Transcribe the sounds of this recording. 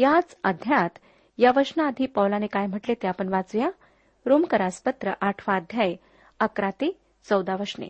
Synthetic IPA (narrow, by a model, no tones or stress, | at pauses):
jat͡səd̪ʱjat̪ | jaʋəʂnaːd̪ʱipəwlanekajm̤əʈlet̪eapəɳʋat͡sja | ɾomkəɾaspət̪ɾəʔaʈʰʋaːd̪ʱjaj | əkɾãt̪e | t͡səwd̪aʋəʂɳḛ